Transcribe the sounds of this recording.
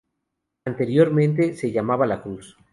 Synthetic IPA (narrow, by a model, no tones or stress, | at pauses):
ant̪e̞ɾjo̞ɾmẽ̞nt̪̬e̞seʝamaβalakɾus